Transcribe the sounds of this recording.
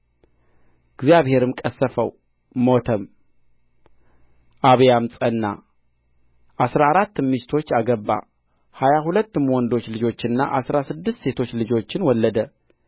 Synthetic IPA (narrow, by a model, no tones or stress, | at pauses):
ɨɡzijaβhe̞ɾɨmkʼəsːəfə̰wː | ot̪ʰəm | ʔaβjamsʼənːa̰ | ʔasɾaːɾat̪ːmːist̪ʰo̞t͡ʃːaɡəbːa̰ | hajahulət̪ːmwɔnd̪o̞t͡ʃːlɨd͡ʒo̞t͡ʃːɨnːa̰ʔasɾasɨd̪ːɨst̪se̞t̪ʰo̞t͡ʃːlɨd͡ʒo̞t͡ʃːɪnwɔlːəd̪ə